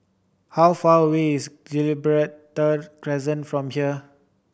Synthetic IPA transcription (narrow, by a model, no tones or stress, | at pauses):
hawfawiːsdɛlibəɹet̚t̪əd̚kɹɛzə̃nfɹɔ̃mhiə